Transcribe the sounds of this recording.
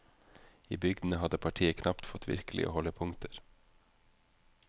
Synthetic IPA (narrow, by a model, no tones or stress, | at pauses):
iːbʏɡd̪n̩əɦɑd̪əpʰɑʈʰiːəkʰnɑpt̪fɔt̪ʰʋɪ̰ɾklɪ̰ʔo̰ːhɔləpʰʊŋt̪ʰəɾ